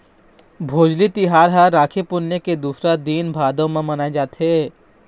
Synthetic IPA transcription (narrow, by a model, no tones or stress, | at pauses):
bʱoːd͡ʒlit̪ɪɦaːɾɦaɾaːkʰipʊnːeked̪uːsɾad̪iːnbʱaːd̪õmẽmɐnaːed͡ʒaːt̪ɦe